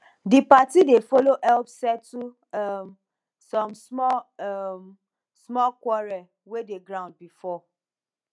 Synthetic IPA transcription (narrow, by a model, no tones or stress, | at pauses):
dipatidefoloʔɛlpsɛtu | m | sɔ̃msmɔm | smɔkwɔɹɛ | wedeɡɾãʊ̃nd̚bifɔ